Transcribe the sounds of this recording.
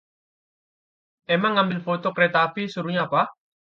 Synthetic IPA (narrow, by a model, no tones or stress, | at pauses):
emaŋːambɪlfot̪okɾet̪afisuɾuɲaːpa